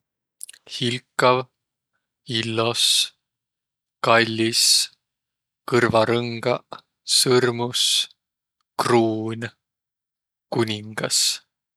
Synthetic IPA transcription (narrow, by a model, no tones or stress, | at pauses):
hilkːˑɑv | ilːo̞s | kɑlʲːis | kɤrvɑɾɤŋɡ̥ɑ | sɯrmus | kruːnʲ | kunʲiŋɡ̥ɑs